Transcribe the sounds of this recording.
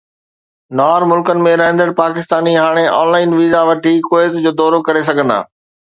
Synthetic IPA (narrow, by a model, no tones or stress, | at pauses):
naːɾmʊlkənɪ̆mẽɾɐɦə̃nd̪əɽpaːkɪst̪aːniɦaːɽ̃eʔaɔ̰ːnlaːɪnʋiːzaʋɐʈikoːjt̪d͡ʑoːd̪ɔːɾokɐɾes̬ɐɡʱə̃nd̪a̰ː